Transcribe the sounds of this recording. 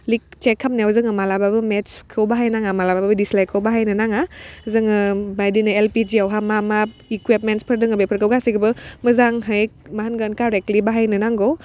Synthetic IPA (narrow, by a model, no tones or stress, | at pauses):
lik̚t͡ʃɛkʰːamnɛwzɯŋɯmalababɯmɛt͡ʃkʰɯwbaɦajnaŋamalabababɯdislajkʰəwbaɦajnɯnaŋazɯŋɯbajdinɯɛlpid͡ʒiawɦamamaikwip̚mɛntspʰəɾdɯŋɯbejpʰəɾkʰɯwɡasikəbɯməzaŋɦəjmaɦanɡankaɾɛk̚libaɦajnɯnaŋɡow